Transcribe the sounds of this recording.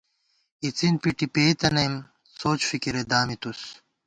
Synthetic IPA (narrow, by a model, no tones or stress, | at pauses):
it͡sinpiʈipeːt̪ɐnɐjm | soːt͡ɕfikiɾed̪aːmit̪us